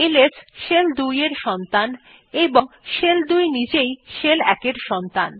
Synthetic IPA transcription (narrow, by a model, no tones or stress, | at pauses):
elesʃeld̪ujeɾʃɔnt̪an | eboŋʃeld̪ujnid͡ʑejʃelɛkeɾʃɔnt̪an